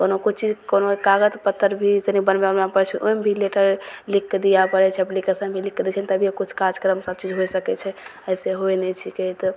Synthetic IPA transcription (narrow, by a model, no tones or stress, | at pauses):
konokut͡ʃʰt͡ʃid͡ʒkonoekaɡət̪pət̪ːəɾbʱit̪ənikbənbenapəɾɛt͡ʃʰɛʔombʱileʈəɾlikːd̪ijapəɾɛt͡ʃʰɛblikəsə̃bʱilikːd̪it͡ʃʰɛnt̪əbʱijekut͡ʃʰkad͡ʒkəɾəmsəb̚t͡ʃid͡ʒɦojsəkɛt͡ʃʰɛəjseɦoenɛt͡ʃʰiket̪ɔ